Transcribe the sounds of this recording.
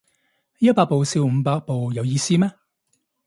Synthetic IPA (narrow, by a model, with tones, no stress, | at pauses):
jɐ˥t̚paː˧k̚po˨wsi˧wm̩ː˨˧paː˧k̚po˨wjɐ˨˧wjiː˧siː˥mɛː˥